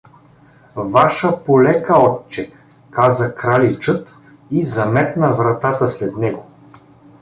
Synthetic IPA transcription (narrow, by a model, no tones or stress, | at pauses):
vaʃəpolɛkəɔtt͡ʃːɛ | kazəkɾalit͡ʃɤt̪ | izɐmɛt̪nɐvɾɐt̪at̪əslɛd̪nɛɡo